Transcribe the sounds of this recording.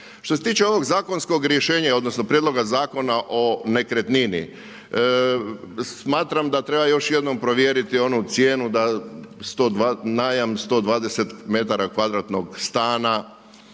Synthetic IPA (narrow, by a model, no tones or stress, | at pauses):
ʃt̪ose̞t̪iːt͡ʃe̞o̞ʋo̞ɡzaːko̞nsko̞ɡɾjeʃe̞ːɲao̞d̪nosno̞pɾjed̪lˠo̞ɡazaːko̞naʔo̞ne̞kɾet̪ninḭ | smaːt̪ɾamd̪at̪ɾe̞bajo̞ʃje̞d̪no̞mpɾoʋjeɾit̪io̞nut̪sje̞ːnud̪ast̪oːd̪anaːjamst̪o̞d̪ʋaːd̪e̞se̞t̪me̞t̪aɾakʋad̪ɾat̪no̞ɡst̪aːna